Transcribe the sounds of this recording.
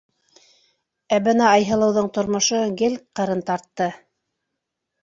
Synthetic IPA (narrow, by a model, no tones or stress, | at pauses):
æβɘ̆nɑɑjɦɤ̆lˠɤ̆wðɤɴt̪ŏɾmŏʃɤɡɘlqɤ̆ɾɤnt̪ɑɾt̪ːɤ